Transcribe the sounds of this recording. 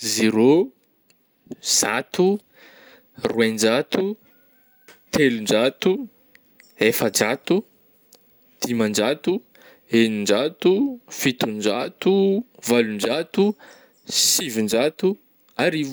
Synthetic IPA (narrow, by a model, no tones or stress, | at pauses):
zeɾo | z̥at̪u | ruend͡ʒat̪u | t̪ʰelund͡ʒat̪u | efəd͡ʒat̪u | d̪̥imand͡ʒat̪u | enind͡ʒat̪ufit̪und͡ʒat̪uvalund͡ʒat̪u | sivind͡ʒat̪u | aɾivu